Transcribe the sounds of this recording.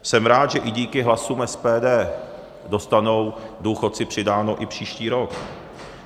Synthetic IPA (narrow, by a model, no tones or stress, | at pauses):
sɛmɾaːt̪ʒɛʔɪɟiːkɪɦlasuːmɛspɛːdɛː | do̞st̪ano̞wduːxo̞t̪̚t͡sɪpr̝̥ɪdaːnoʔɪpr̝̥iːʃciːɾo̞k